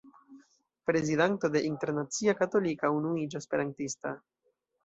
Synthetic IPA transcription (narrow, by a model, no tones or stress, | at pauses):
pɾezidanto̞de̞ʔinte̞ɾnat͡siakato̞likaunuid͡ʒospe̞ɾantista